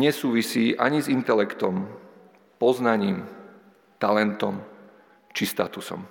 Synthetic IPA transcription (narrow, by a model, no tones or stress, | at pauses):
ɲɛsuːʋisiːʔa̰ɲizint̪ɛlɛkt̪ɔm | pɔznaɲiːm | t̪alɛnt̪ɔm | t͡ʃist̪a̰t̪usɔ̰m